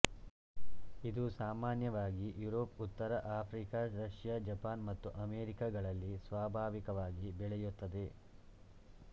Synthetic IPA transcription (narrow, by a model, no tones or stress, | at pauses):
id̪usaːmaːnjɐʋaːɡijuɾoːput̪ːɐɾɐʔaːpʰɾiːkaɾɐʃjad͡ʒɐpaːnmɐt̪ːuʔɐmeːɾikaɡɐɭɐlːisʋaːbʱaːʋikɐʋaːɡibɛɭɛjut̪ːɐd̪e̞